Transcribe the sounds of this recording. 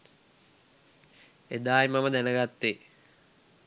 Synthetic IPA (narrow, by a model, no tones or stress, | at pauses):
ed̪aːjmaməd̪ænəɡat̪ːe